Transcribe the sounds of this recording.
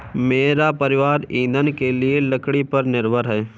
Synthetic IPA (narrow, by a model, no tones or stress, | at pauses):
meːɾapəɾɪʋaːɾĩːnd̪ənkelieləkɽipɐɾnɪɾbʱəɾɦɛː